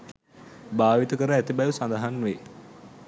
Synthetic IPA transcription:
baːʋit̪əkəɾəæt̪ibɛjusand̪əɦanːʋe

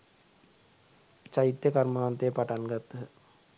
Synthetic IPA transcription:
t͡ʃait̪jəkaɾmaːnt̪ejəpaʈanɡat̪ː

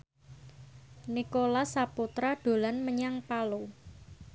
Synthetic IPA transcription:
nikolasaput̪ɾaɖ̪̥o̤lanməɲaŋpalo

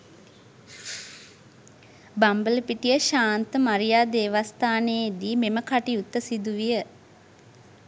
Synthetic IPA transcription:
bambələpiʈijəʃaːnt̪əmaɾijaːd̪eːʋast̪aːneːd̪iːmeməkaʈiut̪ːəsid̪uʋijə

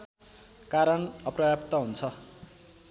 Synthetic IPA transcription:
kaɾʌnʌprʌbjapt̪ʌɦunt͡sʰʌ

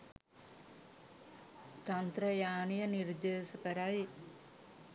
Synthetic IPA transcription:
t̪ɐnt̪ɾɐjaːnijəniɾd̪eːʃɐkəɾaj

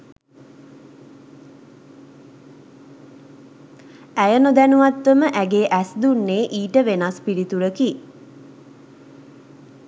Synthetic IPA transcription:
æjənod̪ænuʋat̪ʋəməʔæɡeːʔæsd̪unːeːʔiːʈəʋenaspiɾit̪uɾəki

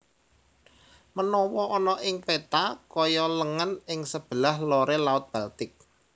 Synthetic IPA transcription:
mənɔwɔʔɔnɔʔɪŋpet̪akɔjɔləŋənɪŋsəb̥əlahloɾelaʊt̪̚b̥alt̪ɪk̚

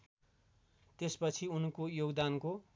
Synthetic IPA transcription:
t̪espʌt͡sʰiunkojoɡd̪anko

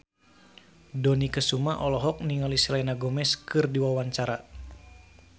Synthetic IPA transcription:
dɔnikəsumaʔɔlɔɦɔk̚niŋalisilɛnaɡɔmɛskɨrdiwawaɲt͡ʃaɾa

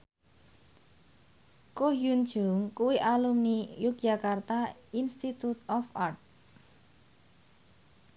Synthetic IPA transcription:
koɦjund̥ʒ̥uŋkuwiʔalumnijuk̚d̥ʒ̥akart̪ainst̪it̪ut̪ɔfart̪̚

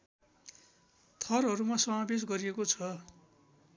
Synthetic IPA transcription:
t̪ʰʌrɦʌɾumasʌmabes̬ɡʌɾiekot͡sʰʌ

